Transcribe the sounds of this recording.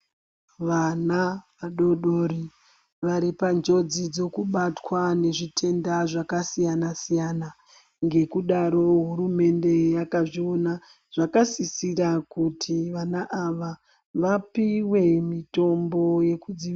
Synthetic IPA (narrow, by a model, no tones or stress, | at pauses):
ʋanaʋaɗoɗoɾi | ʋaɾipand͡ʒo̞d͡zid͡zo̞kuɓatwane̞ʐitʰe̞ndaʐakasijanasijana | ŋɡe̞kuɗaɾo̞ɦuɾume̞nde̞jakaʐio̞na | ʐ̥akasisirakutʰiʋanaʔaʋa | ʋapiwe̞mito̞mbo̞je̞kud͡ziʋi